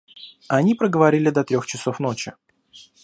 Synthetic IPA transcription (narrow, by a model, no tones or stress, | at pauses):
ɐnʲipɾəɡəvɐɾʲilʲɪd̪ɐt̪ɾʲoxt͡ɕɪso̞fn̪o̞t͡ɕɪ̰